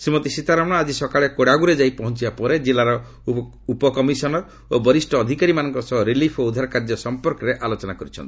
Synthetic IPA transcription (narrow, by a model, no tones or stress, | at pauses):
simot̪isit̪aɾamɽ̃ɔad͡ʒisɔkaɭekoɽaɡuɾed͡ʒajpɔɦɔnt͡ʃibapɔɾed͡ʒelaɾɔ | upɔkɔmisɔnɔɾ | obɔɾisʈɔːd̪ʱikaɾimanɔŋkɔsɔɦɔɾilipʰoud̪ʱaɾkaɾd͡ʒɔsɔmpɔɾkɔɾeʔalot͡ʃɔnakɔɾit͡ʃʰɔnt̪i̥